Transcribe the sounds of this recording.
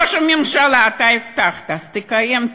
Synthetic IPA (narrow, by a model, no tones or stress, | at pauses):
ʃɛmɪmʃalaːt̪aift̪aχt̪aast̪ɪkajem